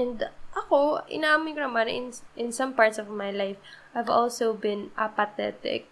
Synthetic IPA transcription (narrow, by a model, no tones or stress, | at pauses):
ʔɛ̃nd̪ʔɐko̞ʔɪ̰naʔamɪjkonɐmãnʔɪ̃nʔɪ̃nsɐ̃mpaɹt̪sɔvmajlajfʔajvɔ̰lsowbɪ̃nʔɐpɐt̪ɛ̰t̪ɪ̰k̚